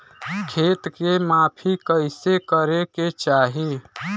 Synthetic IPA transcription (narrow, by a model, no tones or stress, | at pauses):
kʰeːt̪kemaːpʰikəɪsekəɾeket͡ʃaːɦi